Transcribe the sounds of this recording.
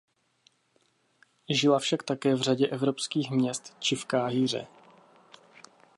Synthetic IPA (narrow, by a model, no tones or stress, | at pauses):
ʒɪlafʃakt̪akɛːvraɟɛʔɛvɾopskiːxmɲɛst̪t͡ʃɪfkaːɦiːr̝ɛ̰